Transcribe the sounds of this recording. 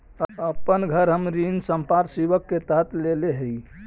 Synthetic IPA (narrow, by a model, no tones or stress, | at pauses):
əpənɡʱəɾɦəmɾinsəmpaɾsiʋəkːet̪əɦət̪leleɦəi